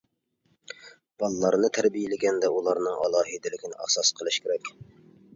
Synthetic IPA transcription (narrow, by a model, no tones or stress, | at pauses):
b̥ɑlˠːɑɾnɨt̪ʰæɾbijɪlɪɡʲɛnd̪ɛʔulˠɑɾnɨŋɑ̰lˠɑːɦid̪ɪlɪkʲʰinɪʔæ̰hsɑsqʰəlˠɨʃkʲʰeɾɛkʲ